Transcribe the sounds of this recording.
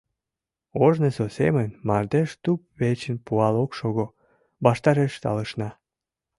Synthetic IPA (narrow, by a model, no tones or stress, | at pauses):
oʒnesosḛmənmɑrd̪eʃt̪up̚βet͡ɕənpuɑlokʃoɣo | bɑʃt̪ɑɾeʃt̪ɑ̰ləʃnɑ